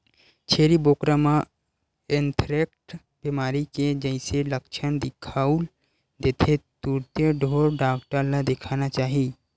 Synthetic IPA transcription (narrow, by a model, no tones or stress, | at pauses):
t͡ʃʰeːɾiboːkɾamã | ɪnt̪ʰɾek̚ʈ | bimaːɾiked͡ʒəɪ̃seləkt͡ʃʰənd̪ɪkʰaul | d̪eːt̪ʰet̪uɾt̪jəɖʱoːɾɖaːkʈəɾlad̪ekʰaːnat͡ʃaːɦi